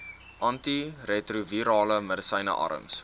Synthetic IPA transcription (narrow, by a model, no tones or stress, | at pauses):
ʔɐntiretruviɾɑːləmədəsəjnə̰ʔɐ̰ɾə̰ms